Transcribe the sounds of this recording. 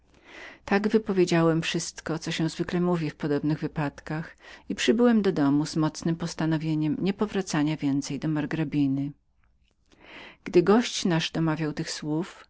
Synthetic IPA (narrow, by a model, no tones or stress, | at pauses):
t̪aɡvɘpɔvʲjed͡ʑawɛmfʂɘst̪kɔt̪sɔɕɛ̃w̃zvɘklɛmuvʲifpɔd̪ɔbnɘɣvɘpat̪kaxipʂɘbɘwɛmd̪ɔd̪ɔmuz̥mɔt̪snɘmpɔst̪anɔvʲjeɲɛmɲɛpɔvɾat̪saɲavʲjɛnt̪sɛjd̪ɔmaɾɡɾabʲinɘ | ɡ̥d̪ɘɡɔɕt͡ɕnaʐd̪ɔmavʲjawt̪ɘxswuf